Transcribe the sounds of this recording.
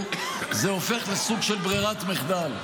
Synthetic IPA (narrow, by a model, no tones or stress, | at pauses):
zeofe̞χlesuɡʃelbʁiʁat̪miχd̪al